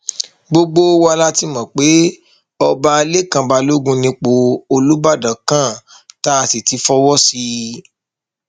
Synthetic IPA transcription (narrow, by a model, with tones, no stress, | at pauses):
ɡ͡bo˧ɡ͡bo˦wa˧la˦ti˦mɔ̃˨k͡pe˨˦ | ɔ˧ba˧le˦kã˨˧ba˧lo˦ɡũ˦nĩ˧k͡po˧o˧lu˨˦ba˦˨dã˨kã˦˨ | ta˦˧si˨ti˨˧˦fɔ˦wɔ˦si˧